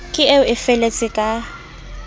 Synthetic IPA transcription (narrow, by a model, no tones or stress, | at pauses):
kʼɪeʊʔɪfɛlet͡sʼɪkʼa